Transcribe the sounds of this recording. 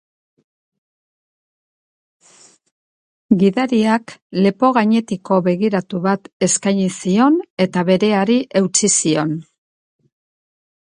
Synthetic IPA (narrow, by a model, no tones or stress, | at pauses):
ɡiðaɾiakle̞po̞ɣaɲe̞t̪iko̞βe̞ɣiɾat̪uβat̪e̞skajɲisio̞ne̞t̪aβe̞ɾe̞aɾiʔe̞wt͡sisio̞n